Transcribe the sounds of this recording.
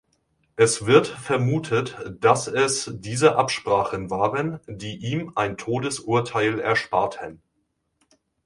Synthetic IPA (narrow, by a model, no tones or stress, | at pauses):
ʔɛsv̥ɪɐtfɛɐmuːtʰətd̥asɛsd̥iːzəʔapʃpʁ̥aːχənvaːʁəndiːʔiːmʔaɪntʰoːdəsʔuɐtʰaɪlɛɐʃpaɐtʰən